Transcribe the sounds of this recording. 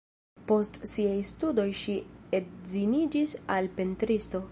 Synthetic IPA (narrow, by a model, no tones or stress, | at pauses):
po̞stsiajstudo̞jʃiedzinid͡ʒisalpe̞ntɾisto̞